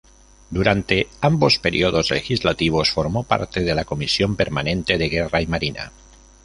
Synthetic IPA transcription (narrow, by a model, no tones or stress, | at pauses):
d̪uɾant̪e̞ambo̞speɾḭoðo̞zlḛxizlat̪iβ̞o̞sfoɾmopa̰ɾt̪e̞ðe̞lako̞misjo̞mpe̞ɾmanẽ̞nt̪e̞ðeɣeraimaɾina̰